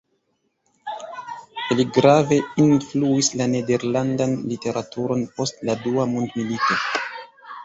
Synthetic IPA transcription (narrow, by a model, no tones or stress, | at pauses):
liɡɾave̞influislane̞de̞ɾlandanlite̞ɾʔatuɾo̞npo̞stladuamundmilito̞